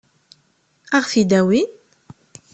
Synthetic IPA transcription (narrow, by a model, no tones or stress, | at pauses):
æʁfid̪æwin